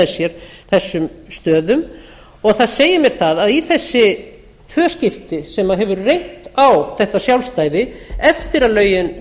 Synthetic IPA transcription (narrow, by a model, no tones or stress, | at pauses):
sjɛɾ̥θɛsːʏmst̪œːðʏm | ɔɣθaðseːjɪmjɛɾ̥θaðaðiθɛsːɪ | t̪ʰvœːscɪft̪ɪsɛmaɦɛvʏɾrejn̥t̪awθɛht̪asjawlst̪aːjðɪɛft̪ɪɾalœːɥjɪn